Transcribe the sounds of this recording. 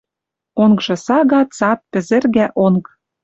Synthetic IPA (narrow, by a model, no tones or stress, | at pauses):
oŋkʒɤ̆sɑɣɑt̪t͡sɑt̪̚pɘ̆zɘ̆rɣæʔoŋk